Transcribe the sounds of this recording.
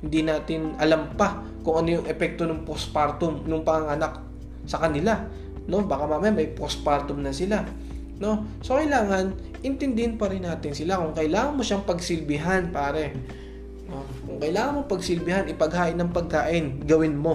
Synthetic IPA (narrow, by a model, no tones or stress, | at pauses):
hɪnd̪inaːt̪ɪnʔɐlampa | kʊŋʔɐnojʊŋʔɛpɛk̚t̪o̞nʊŋpospaɾt̪ʊmnʊŋpɐŋɐŋɐnak | sɐkɐnɪla | no̞baːkɐmamɐjanmɐjpos̚paɾt̪ʊmnɐsɪla | no̞sokɐɪlaːŋɐn | ʔɪnt̪ɪnd̪ɪhɪnpɐɾɪnːaːt̪ɪnsɪlakʊŋkɐʔɪlaːŋɐnmo̞ʃaŋpɐɡsɪlbɪɦanpaːɾɛ | o | kʊŋkɐʔɪlaːŋɐnmopɐɡsɪlbɪhanɪpɐɡ̚haːʔɪnːɐŋpɐɡ̚kaːʔɪnɡɐwɪnmo̞